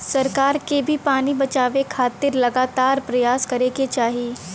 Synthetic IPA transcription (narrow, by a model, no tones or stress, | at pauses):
sɐɾkaːɾkebʱipaːnibɐt͡ʃaːʋekʰaːt̪ɪɾlɐɡaːt̪aːɾpɾɐjaːskɐɾeket͡ʃaːɦieː